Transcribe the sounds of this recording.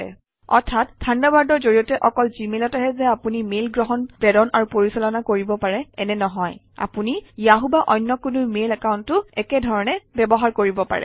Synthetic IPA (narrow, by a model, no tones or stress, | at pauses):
ɛ̰ | ɔ̰ɹtʰat̚dʰʱandabaɹdɔɹzoɹijɔtɛʔɔkɔlzimelɔtaɦɛzɛapunimelɡɹɔɦɔnpɹɛdɔnʔaɹupoɹisɔlɔnakoɹibɔpaɹɛɛnɛnɔɦɔj | a̰punijaɦubaʔɔjnːɔkunumelɛkaʊntːʊɛkɛdʱɔɹɔnɛbɛbɔɦaɹkoɹibɔpa̰ɹɛ̰